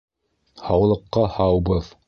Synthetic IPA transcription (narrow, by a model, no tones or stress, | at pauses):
hɑwlˠɤ̆qːɑhɑwbɤð